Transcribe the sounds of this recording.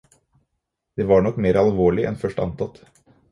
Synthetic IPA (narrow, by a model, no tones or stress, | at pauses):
d̪̥eːʋɑːɳɔkːmeːɾɑlʋoːɭɪʔɛ̰nfœʂʈɑ̰nt̪ɑt̪